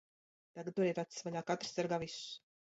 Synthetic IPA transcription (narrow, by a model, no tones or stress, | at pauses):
t̪aɡad̪̚t̪uɾɛːt̪at̪ssvaʎaːkat̪ɾ̥saɾɡaːviss